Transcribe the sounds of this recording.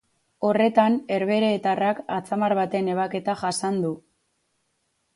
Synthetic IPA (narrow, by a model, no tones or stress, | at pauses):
o̞re̞t̪ane̞ɾβe̞ɾe̞ːt̪arakat͡samaɾβat̪e̞ne̞β̞ake̞t̪aʝasand̪u